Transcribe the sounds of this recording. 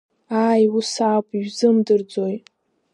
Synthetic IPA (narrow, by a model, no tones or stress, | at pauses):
aːjusapʼiɥzɨmdɨrd͡zojt